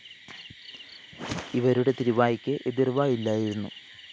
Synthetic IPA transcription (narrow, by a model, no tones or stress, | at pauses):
iʋɐɾuɽe̞t̪iɾiʋaːjikʲːɨʔe̞ðirʋaːjilːaːjiɾunːṵ